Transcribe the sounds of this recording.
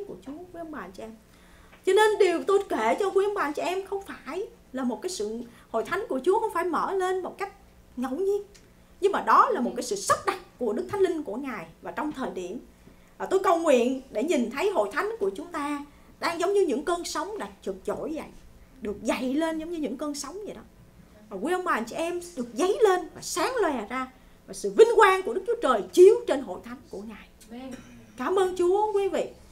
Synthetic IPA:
ku˧˩ət͡ɕu˨˦əxi˧˦ə˨˦ŋ͡mɓaː˨˩t͡ɕʔɛ˧m | t͡ɕɔ˧ne˧nɗi˨˩əwt̪o˧jke˧˩t͡ɕɔ˧xwi˧˦ʔə˨˦mɓaː˨˩nt͡ɕɔ˧˩ʔɛ˧mxə˧wŋ͡mfaː˧˩j | laː˨˩mo˨˩kaː˨˦jsɨ̰˧˨ho̰˧˨jt̪ʰa˨˦jŋ̟ku˧˩ət͡ɕu˨˦əxə˧wŋ͡mfaː˧˩jmə̰ː˧˩le˧nmo˨˩t̚ka˦˥jk̟̚ | ŋə˧˩˨wɲi˧ən | ɲɨ˧ŋmaː˨˩ɗɔ˨˦laː˨˩mo˨˩t̚kaː˨˦jsɨ̰˧˨sə˦˥t̚ɗa˨˩k̚ku˧˩əɗɨ˦˥k̚t̪ʰa˨˦jŋli˧ŋ̟ku˧˩əŋaː˨˩jvaː˨˩t͡ɕɔ˧wŋ͡mt̪ʰəː˨˩jɗi˧˩əm | vaː˨˩t̪o˧jkə˨˩wŋwḭ˧˨ənɗe˧˩ɲi˨˩nt̪ʰə˨˦jɦo̰˧˨jt̪ʰa˨˦jŋnku˧˩ət͡ɕʊ˨˦ŋ͡mt̪aː˧ | ɗaː˧ŋzə˨˦wŋ͡mɲɨ˧ɲɨ̰˧˥ŋkəː˧nsə˨˦wŋ͡mɗa˨˧˩t͡ɕɨ˨˩k̚t͡ɕo˧˥˩jza̰˧˨j | ɗɨ˨˩ək̚za˧˨jle˧nzɔ˨˦wŋ͡mɲɨ˧ɲɨ̰˧˥ŋkəː˧nsə˨˦wŋ͡mzi˨˩ɗɔ˨˦ | vaː˨˩kwʔə˧wŋ͡mɓaː˨˩ʔŋt͡ɕḭ˧ʔɛ˧mɗɨ˨˩ək̚zə˨˦jle˧nvaː˨˩saː˨˦ŋlwɛ˨˩zaː˧ | vaː˨˩sɨ̰˧˨vï˧ŋ̟kwaː˧nku˧˩əɗɨ˦˥k̚t͡ɕu˨˦ə˦t͡ɕəː˨˩jt͡ɕi˨˦əwt͡ɕe˧nɦo̰˧˨jt̪ʰa˨˦jŋnku˧˩əŋaː˨˩j | kaː˧˩mʔəː˧nt͡ɕu˨˦əkwi˨˦vḭ˧˨

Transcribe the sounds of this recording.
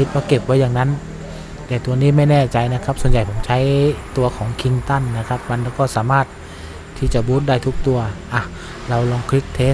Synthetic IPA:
i˦˥t̪̚bɔː˧˩ke˨˩p̚waː˧˥jaː˨˩ŋna˧˦˥n | t̪ɛː˧˩t̪u˧ɐniː˥˨ma˥˩jnɛː˧˩t͡ɕa˧jna˦˥kʰa˦˥p̚su˨˩ənja˨˩jpʰo˩˦mt͡ɕʰa˦˥˨jt̪u˧ɐkʰɔː˩˦ŋkʰi˧ŋt̪a˥˩nːa˧˥kʰa˦˥p̚ma˧nlɛː˧˦˧wkɔː˧˥˩saː˨˦maː˧˥˩t̪̚ʰː | iː˧˩t͡ɕa˧˩buː˦˥t̪̚daː˥˩jt̪ʰu˦˥k̚t̪u˧ɐʔa˧˩ | la˧wlɔː˧ŋkʰli˦˥k̚t̪ʰeː˦˥

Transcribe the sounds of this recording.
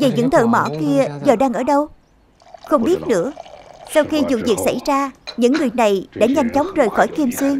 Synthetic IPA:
ve˨˩ɲɨ̰˧˥ŋt̪ʰə̰˧˨mɔ̰˧˩ki˧əzəː˨˩ɗaː˧ŋʔəː˧˩ɗə˧w | xə˧wŋ͡mɓi˦˥ət̚nɨ̰˧˥əsa˧wxi˧zṵ˧˨vi˨˩ək̚sa˧˩jzaː˧ɲɨ̰˧˥ŋːɨ˨˩əjna˨˩jɗa̰ː˧˥ɲa˧jŋ̟t͡ɕɔ˨˦wŋ͡mzəː˨˩jxɔ˧˩jki˧mswi˧əŋ

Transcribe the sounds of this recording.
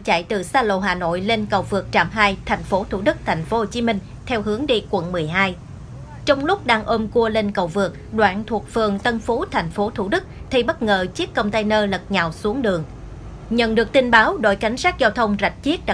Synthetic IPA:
t͡ɕa̰˧˨jt̪ɨ˨˩saː˧lo̰˧˨ɦaː˨˩no̰˧˨jle˧nkə˨˩wvɨ˨˩ək̚t͡ɕa̰ː˧˩mɦaː˧jt̪ʰa˨˩jŋ̟fo˨˦t̪ʰu˧˩ɗɨ˦˥k̚t̪ʰɛ˨˩jŋ̟fo˨˦ho˨˩t͡ɕi˨˦mï˧ŋ̟ | t̪ʰɛ˧wɦɨ˨˦əŋɗḭ˧˨kwə̰˧˨nmɨ˨˩əjɦaː˧j | t͡ɕɔ˧wŋ͡mlʊ˦˥k͡p̚ɗaː˧ŋʔo˧mku˧əle˧nkə˨˩wvɨ˨˩ək̚ɗwaː˧˨nt̪ʰu˨˩ək̚fɨ˨˩əŋt̪ə˧nfo˨˦t̪ʰɛ˨˩jŋ̟fo˨˦t̪ʰu˧˩ɗɨ˦˥k̚t̪ʰi˧ɓə˦˥t̚ŋəː˨˩t͡ɕi˦˥k̚kə˧wŋ͡mt̪ə˧jnəː˧lə˨˩t̚ɲaː˨˩wsu˨˦əŋɗɨ˨˩əŋ | ɲə̰˧˨nɗɨ˨˩ək̚t̪i˧nɓaː˨˦wɗo̰˧˨jka˨˦jŋ̟saː˦˥k̚zaː˧wt̪ʰə˧wŋ͡mza˨˩jk̚t͡ɕi˦˥ət̚ɗ

